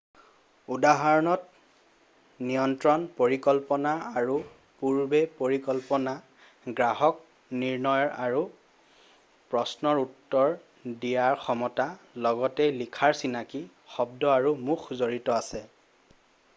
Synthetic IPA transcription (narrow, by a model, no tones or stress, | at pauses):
udaɦaɹɔnɔt | nijɔntɹɔnpoɹikɔlpɔnaaɹu | puɹbɛpoɹikɔlpɔna | ɡɹaɦɔk̚ | niɹnɔjɔɹaɹu | pɹɔsnɔɹutːɔɹ | dijaɹxɔmɔta | lɔɡɔtɛlikʰaɹsinaki | xɔbdɔaɹumuxzoɹitɔasɛ